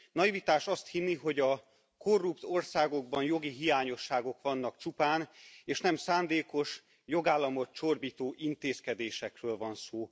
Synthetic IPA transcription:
nɒivit̪aːʃɒst̪hinːiɦo̞ɟɒ | ko̞rːupt̪o̞rsaːɡo̞ɡ̚bɒnjo̞ɡiɦijaːɲo̞ʃːaːɡo̞kʋɒnːɒkt͡ʃupaːneːʃnɛmsaːnd̪eːko̞ʃ | jo̞ɡaːlːɒmo̞t̪t͡ʃorbiːt̪oːʔint̪eːskɛd̪eːʃɛkrøːlvɒnsoː

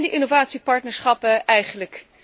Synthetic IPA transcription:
ndəʔɪnovaːtsipɑɹtnəɹsχɑpəɛjχənlək

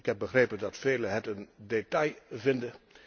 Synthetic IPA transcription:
ɪkɦɛp̚bəχrejpəndɑtfeːləɦətəndetɑjvɪndə

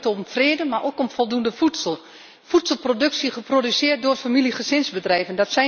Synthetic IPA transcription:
tomfreːdəmarʔokɔmfɔlˠdundəfutsəlˠ | futsəlˠprodøksəχəprodysɪət̚doərtfamiliχəsɪnzbədrɛjvəndɔtsɛ

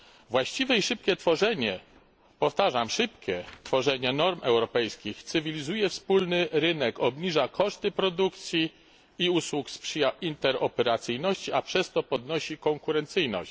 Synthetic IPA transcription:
vwaɕt͡ɕivɛiʂɘp̚kʲɛt̪fɔʐɛɲɛ | pɔft̪aʐamʂɘpkʲɛt̪fɔʐɛɲɛnɔɾmɛ̰wɾɔpɛjskʲixt̪sɘvʲilʲizujɛfspulnɘɾɘnɛkɔbɲiʐakʰɔʂt̪ɘpɾɔd̪ukt̪sʲjiː | uswukspʂɘjaint̪ɛɾɔpɛɾat̪sɘjnɔɕt͡ɕiapʂɛst̪ɔpɔd̪nɔɕikɔŋkuɾɛnt̪sɘjnɔ̰ɕ

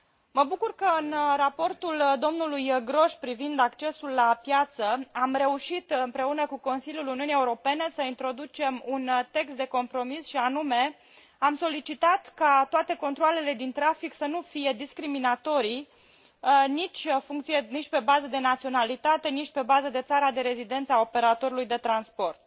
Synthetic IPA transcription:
məbukurkəɨnrapo̞rt̪uld̪o̞mnulujɡɾo̞ʃpɾivind̪akt͡ʃe̞sulːapjat̪səamɾe̞uʃit̪ɨmpɾe̞unəkuko̞nsiljuluniunieuɾo̞pe̞ne̞səint̪ɾo̞d̪ut͡ʃe̞munt̪e̞kst̪d̪e̞ko̞mpɾo̞misʃianume̞ | amso̞lit͡ʃit̪at̪kat̪oat̪e̞ko̞nt̪ɾoale̞le̞d̪int̪ɾafiksənufije̞d̪iskɾiminat̪o̞ɾi | nit͡ʃʲfuŋkt̪sijenit͡ʃʲpe̞bazəd̪e̞nat̪sio̞nalit̪at̪e̞nit͡ʃʲpe̞bazəd̪e̞t̪saɾad̪e̞ɾe̞zid̪e̞nt̪səao̞pe̞ɾat̪o̞ɾulujd̪e̞t̪ɾanspo̞rt̪̚

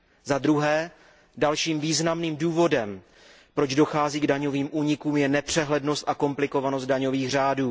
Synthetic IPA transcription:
zad̪ɾuɦɛː | dalʃiːmviːznamniːmduːvo̞dɛm | pɾo̞d͡ʒdo̞xaːziːɡdaɲo̞viːmʔuːɲɪkuːmjɛnɛpr̝̥ɛɦlɛdno̞st̪ʔako̞mplɪko̞vanos̬t̪daɲo̞viːɣr̝aːduː

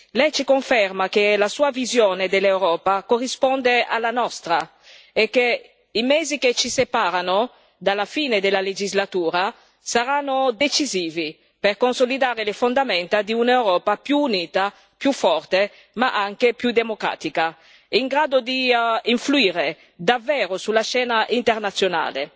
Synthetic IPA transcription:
lɛjt͡ʃikoɱfɛrmakelasuːavizjoːned̪elewɾɔːpakorːispɔnd̪ea̰lanɔst̪ɾa | ekːe | imɛziket͡ʃisepaɾano | d̪alafiːned̪elaled͡ʒizlat̪uːɾa | saɾanːod̪et͡ʃiziːvi | perkonsolid̪aːɾelefond̪amɛnt̪ad̪iunɛwɾɔːpapjuːniːt̪a | pjufɔrt̪e | maʔaŋkepjud̪emokɾa̰ːt̪ika | iŋɡɾaːd̪od̪iiɱfluiːɾe | d̪avːɛːɾosulaʃɛːnaʔint̪ernat̪sːjona̰ːlḛ

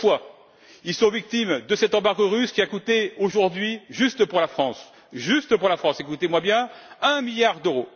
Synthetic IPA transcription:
fwa | ilsɔ̃vik̚t̪imd̪əsɛt̪ɑ̃baʁɡɔʁyskʲiakut̪eoʒuʁd̪ɥiʒyst̪əpuʁlafχɑ̃s | ʒyst̪əpuʁlafχɑ̃sekut̪emwabjɛ̃ɛ̃miljaʁd̪øʁo

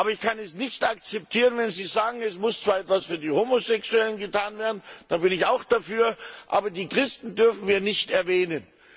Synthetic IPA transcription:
ʔaːbɐɪçkʰanɛsnɪçtak̚t͡sɛp̚tʰiːʁənvɛnziːzaːɡŋ̩ɛsmʊst͡sv̥aːɐɛtv̥asfyːɐdiːhoːmozɛksuɛlənɡətʰaːnveːɐdn̩d̥aːbɪnɪçaʊxd̥afyːɐʔa̰ːbɐdiːkʁ̥ɪstn̩dʏɐfn̩viːɐnɪçtɛɐvɛːnən

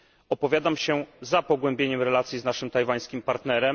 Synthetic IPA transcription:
ɔpɔvʲjad̪amɕɛzapɔɡwɛmbʲeɲɛmɾɛlat̪sʲjiznaʂɘmt̪ajvaj̃skʲimpaɾt̪nɛɾɛm

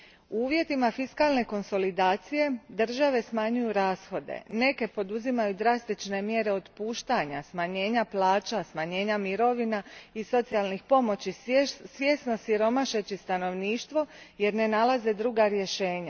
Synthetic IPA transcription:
uuːʋje̞t̪imafiskalne̞ko̞nso̞lid̪aːt̪sije̞d̪ɨr̩ʒaʋe̞smaɲujuɾaːsxo̞d̪e̞̰ne̞ke̞po̞d̪uzimajud̪ɾast̪it͡ʃne̞mje̞ɾe̞o̞t̪puːʃt̪aɲasmaɲe̞ːɲaplˠaːt͡ʃasmaɲe̞ːɲamiɾo̞ʋinaiso̞t̪sialˠnixpo̞mo̞t͡ɕisʋje̞sno̞siɾo̞maʃe̞t͡ɕist̪ano̞ʋniːʃt̪ʋo̞je̞ɾne̞nalaze̞d̪ɾuːɡaɾje̞ʃe̞ːɲa

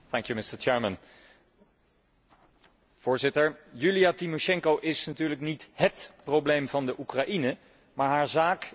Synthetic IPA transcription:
θɛŋkjumɪstəɹt͡ʃɛːɹmən | v̥ʊːɹzɪtəɹjylijatimoʃɛŋkowʔɪsnatyːɹləknitɦətproblejmvɑndəʔukraʔinə | maːɹɦaːɹzaːk

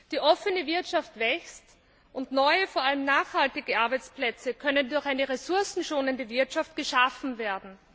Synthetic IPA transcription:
d̥iːʔɔfənəvɪɐtʃaftv̥ɛkst | ʔʊntnɔʏəfoːɐaləmnaːxhaltɪɡəʔaɐbæɪt͡splɛt͡səkʰœnəndʊɐçaɪnəʁesʊɐsn̩ʃoːnəndəvɪɐtʃaft̚ɡ̥əʃafn̩veːɐdn̩

